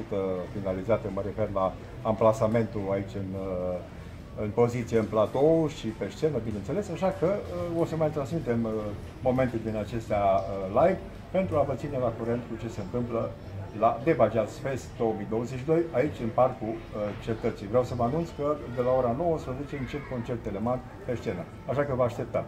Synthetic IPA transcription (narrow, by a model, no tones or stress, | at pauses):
ut̪əfinalizat̪əməɾe̞fe̞rlaː | mplasame̞nt̪uait͡ʃʲɨn | ɨnpo̞zit̪sijeɨnplat̪o̞ʃipe̞ʃt͡ʃe̞nəbinent̪se̞le̞sɨnʃakəəo̞səmajt̪ɾansmit̪e̞məː | o̞me̞nt̪uld̪inat͡ʃe̞st̪aəlajv | pe̞nt̪ɾuavət̪sine̞lakuɾe̞nt̪kut͡ʃe̞se̞ɨnt̪ɨmplə | lad̪e̞bad͡ʒiaspesd̪o̞wəmijd̪o̞wəzeʃid̪o̞jait͡ʃʲɨnparkut͡ʃe̞t̪ət̪sijvɾʲeawsəməanunt̪skəd̪e̞lao̞ɾano̞wəspɾəze̞t͡ʃe̞ɨnt͡ʃelt̪̚ko̞nt͡ʃe̞rt̪ːeleman | pe̞ʃt͡ʃe̞nə | aʃakəvaːʃt̪e̞p̚t̪a